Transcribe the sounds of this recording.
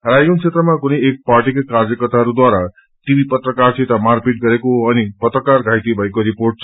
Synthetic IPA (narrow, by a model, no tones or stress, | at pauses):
rajɡunt͡sʰet̪rʌmakunʌjek̚parʈikakard͡zʌkʌt̪aʌɾud̪waɾa | ʈ̪ibipʌt̪rʌkart͡sʰet̪amarkeʈ̚ɡʌɾekoʌnipʌt̪rʌkarɡʱajt̪ibʱʌjkoɾiporʈ̚t͡sʰʌ